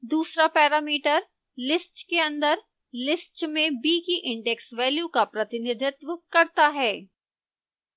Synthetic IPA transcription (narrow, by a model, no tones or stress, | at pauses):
d̪uːsɾapɛːɾaːmiːʈəɾ | lɪsʈkeɐ̃nd̪əɾ | lɪsʈmẽbiːkiʔɪ̃ɳɖɛksʋɛːljukapɾɐt̪ɪnɪd̪ʱɪt̪ʋəkɐɾt̪aɦɛː